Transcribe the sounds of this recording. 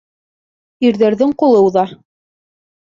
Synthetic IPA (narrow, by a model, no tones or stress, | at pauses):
iɾðæɾðɘŋqolˠɤwðɑ